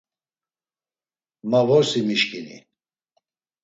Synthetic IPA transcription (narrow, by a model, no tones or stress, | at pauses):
mavɔɾsimiʃkʼinḭ